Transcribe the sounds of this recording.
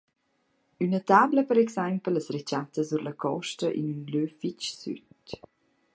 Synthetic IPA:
ynət̪aːbləpəɾɛksampələsɾɛt͡ʃatəzuɾləkʰɔʃtəʔḭnynløfit͡ʃsy̰t

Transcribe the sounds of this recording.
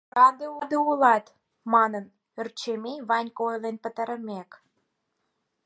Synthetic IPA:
ɾɑd̪eud̪eulɑt̪ | mɑnən | ə̆rt͡ɕemeβɑnʲkojlenpə̆t̪ə̆ɾə̆mek

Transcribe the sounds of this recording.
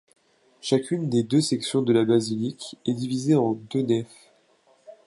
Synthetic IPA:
ʃakʲʰynd̪ed̪øsɛksjɔ̃d̪əlabazilikɛd̪ivizeɑ̃d̪ønɛf

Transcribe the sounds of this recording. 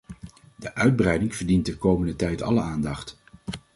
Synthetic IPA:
dəʔœɥd̚brɛjdɪŋv̥əɹdintəkowməndətɛjtɑ̰ləaːndɑχt

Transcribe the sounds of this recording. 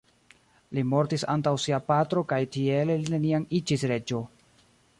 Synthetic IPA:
limo̞ɾtisa̰ntawsiapatɾo̞kajtie̞lline̞nianid͡ʒisɾe̞d͡ʒo̞

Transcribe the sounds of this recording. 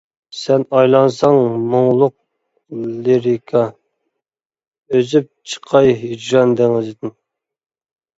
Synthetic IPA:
sɛnɑjlˠɑnsɑŋmoŋlˠʊq̚ | leɾikʰɑ | øzyp̚t͡ʃʰə̥qʰɑjɦid͡ʒɾɑnd̪ɛŋɪzɪd̪ɪn

